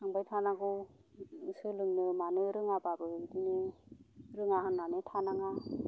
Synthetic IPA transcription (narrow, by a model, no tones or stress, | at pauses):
naŋbajtʰanaɡɯ | sɯlɯŋnɯmanɯɾɯŋababɯdinɯ | ɾɯŋaɦɯnːanɯtʰanaŋa